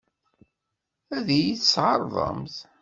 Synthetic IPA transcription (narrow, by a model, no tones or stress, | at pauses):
æðæjiθsʕɑɾˤðˤə̰mθ